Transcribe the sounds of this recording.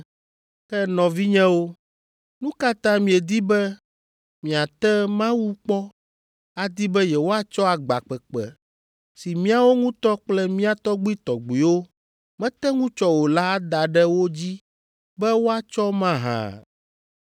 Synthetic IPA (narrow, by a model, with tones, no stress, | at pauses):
kɛ˦nɔ̃˨vi˦ɲɛ̃˦wo˦ | nũ˦ka˦t̪ã˦mĩ˨ɛ˨d̪i˦bɛ˦ | mĩ˨a˨t̪ɛ˦mã˦wu˦k͡pɔ˦ | a˦d̪i˦bɛ˦jɛ˨wo˦a˦t͡ʃɔ˦a˨ɡ͡ba̰˨k͡pɛ˨k͡pɛ̰˨ | si˨mĩ˦a˦wo˦ŋũ˦t̪ɔ˦k͡plɛ˦mĩ˦a˨t̪ɔ˦ɡ͡bi˦t̪ɔ˨ɡ͡bi˨wo˦ | mɛ̃˦t̪ɛ˦ŋũ˦t͡ʃɔ˦wo˨la˦d̪a˨ɖɛ˦wo˦d͡ʑi˦ | bɛ˦wo˦a˦t͡ʃɔ˦mã˦ɦã̰˨